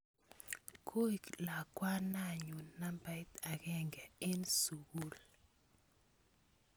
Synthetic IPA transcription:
kʰo˦i˨kla˨kwa˦na˦˨ɲu˨nːa˦mba˨˦t̪a˨ɡɛ˦ŋɡɛ˨e˦nsu˨ɡu˦l

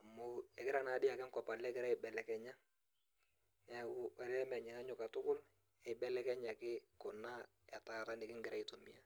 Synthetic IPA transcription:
a˨mʊ˨ɛ˨kɪ˦ɾa˦na˨˦dɪ˦a˨kɛ˦ŋkɔ˨pa˨lɛ˦kɪ˦ɾa˦ɪ˨bɛ˨lɛ˨kɛ˨ɲa˦ | ɛ˨ʊ˨wɛ˨ɾɛ˦mɛ˨ɲɛ˨ŋa˦ɲʊ˨ka˨tʊ˦kʊ˦l | ɛ˨ɪ˨bɛ˨lɛ˦kɛ˦ɲa˨kɪ˦kʊ˨na˦ | a˨ta˨ta˦nɪ˨kɪ˦ŋɡɪ˦ɾa˦i˨to˨mi˦a˦

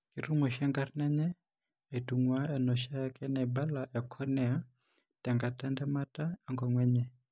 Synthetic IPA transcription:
kʼi˨ru˦mɔ˨ʃɛ˦ŋɡarnɛ˦ɲɛ˦ | e˨tʼu˨ŋwa˦ɛ˨nɔ˨ʃa˦ja˦kʼɛ˦nɛ˨ba˦la˨ʔɛ˨kʰɔ˦nɛ˦a˦ | tʼɛ˨ŋɡa˨tʼa˦ndɛ˦ma˦tʼa˦ɛ˦ŋɡɔ˨ŋwɛ˦ɲɛ˨

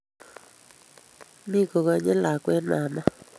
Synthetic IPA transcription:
mi˦ɡo˨ɣa˧ɲɛ˦la˨kwɛ˦na˨ma˦

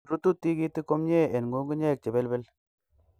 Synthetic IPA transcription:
ɾu˦tu˦tːi˦ki˦ti˦ko˦mɲe˦e˨nŋɡu˨˦ŋɡu˦ɲe˦˨k̚t͡ʃe˨be˦lbɛ˦l

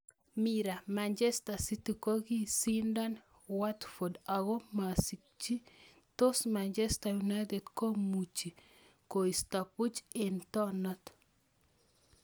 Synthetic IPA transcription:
miɾa˨mand͡ʒe˦sta˨si˦ti˨ko˦ɡi˦sinda˦n | watfo˨daɡɔ˦ma˨si | t͡ʃi˦ | t̪o˦smand͡ʒɛ˦stajuna˦jt̪e˨dko˦mu˨t͡ʃi˨ | ko˨i˨stapu˦t͡ʃentɔ˦nɔ˦t

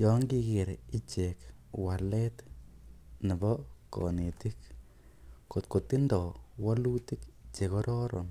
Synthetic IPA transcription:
jɔ˦ŋɡi˦ɡɪ˨ɾi˦t͡ʃe˨k | wa˨lɛ˦t̪ | ni˨bɔ˦kɔ̰˨ne˨t̪i˦k | ko˨t̪ko˨t̪ːi˦ndɔ˨wa˦lu˦t̪i˦kt͡ʃe˨kɔ˦ɾɔ˦ɾɔ̰˨n

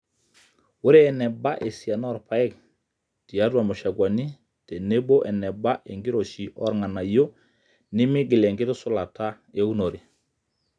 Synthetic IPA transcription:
wu˦ɾɛː˦˨nɛ˨ba˦ʔe˨si˨a˨nɔ˦˨ɾpa˨ɛ˦˨k̚ | ti˨a˦dwa˨mo˨ʃa˨ɡwa˨ni˦ | te˨ne˦bo˦ʔɛ˨nɛ˨ba˦ʔe˨ŋɡi˦ɾo˨ʃi˨ʔɔ̰˦ɾŋa˨na˨jo˦ | ni˦mi˦ɡi˨le˨ŋɡi˦ɾsu˦la˨ta˦ | e˦u˦no˨ɾi˨

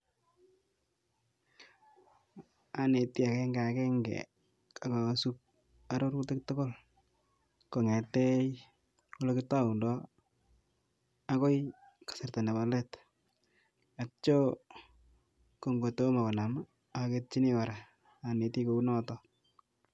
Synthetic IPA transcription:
a˨ne˨ti˦a˨kɛ˦ŋɡa˨akɛ˦ŋɡɛ̰ | a˨ka˨su˦k̚ | a˦ɾo˦ɾkute˦k̚to˦ko˦l | ko˨ŋɛ˨tɛ˦j | wo˦lo˦kɪ˦ta˦u˨ndɔ˦ | a˦ko˦j | kḁ˨se˨rta˨na˨ba˨lɛ˦t | a˨t͡ʃo˦ | ko˨ŋɡo˨to˦ma˨ko˨na˨ma˨˦ | ke˦t̚t͡ʃi˦ni˦wa˨ɾa˨ | a˨ne˨ti˦ko˨u˦nɔ˦tɔ

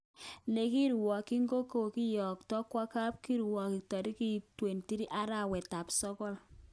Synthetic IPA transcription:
ne˨ki˦ɾwɔ˨ki˦ŋɡo˦ko˨ki˦jɔ˨k̚tɔ˦kwa˦ka˦p̚ki˦ɾwɔ˨ki˨k̚tɔ˨ɾi˦ki˦twe˨nti˦ɾi˦ʔa˦ɾa˨wɛ˨ta˨psɔ˦kɔ˦l

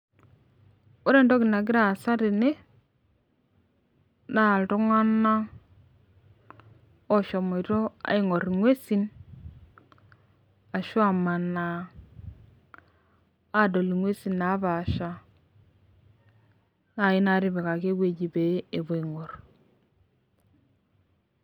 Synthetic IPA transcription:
o˦ɾe˨ndɔ˦kɪ˨na˨k̬ɪ˦ɾa˦˨sa˦ɾi˨ne˦ | na˦˨ltɔ˦ŋa˦na˦ | ɔ˦ʃɔ˨mo˨to˦a̰˨i˦ŋɔ˨ɾi˨ŋwe˦si˦n | a˨ʃwa˨ma˨na˨˦˨ | do˨li˨ŋwe˦si˨na˨˦βa˨ʃa˨ | na˨ɪ˦na˦ɾɪ˦βe˨ka˨ke˦ɡwe˨ɟi˨be˨˦e˨βo˨i˨ŋɔ˨r

